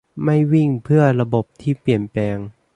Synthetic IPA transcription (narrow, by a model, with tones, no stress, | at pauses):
ma˥˩jwi˥˩ŋpʰɯ˥˩ɐɾa˧bo˨˩p̚t̪ʰiː˥˩pli˨˩ənplɛː˧ŋ